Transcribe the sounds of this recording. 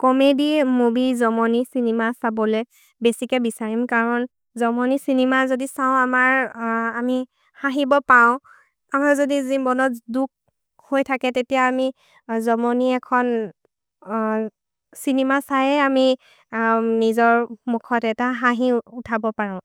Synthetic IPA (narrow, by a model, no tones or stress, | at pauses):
kɔmedimobizɔmɔnisinimasabɔlɛ | besikɛbisaɹimkaɹɔn | zɔmɔnisinimazodisaʊ̃amaɹami | hãɦibɔpaʊ̃ | amaɹzodizibɔnɔtduk̚ | hojtʰakɛtetijaːmi | zɔmɔniɛkʰɔn | sinimasajɛami | nizɔɹmukʰɔtɛtaɦaɦiutʰabɔpaɹɔ̃ʊ̃